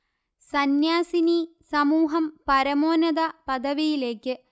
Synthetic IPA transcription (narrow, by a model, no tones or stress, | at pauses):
sɐnjaːsinisɐmuːɦɐmpɐɾɐmoːnɐd̪ɐpɐd̪ʱɐʋijile̞ːkːɨ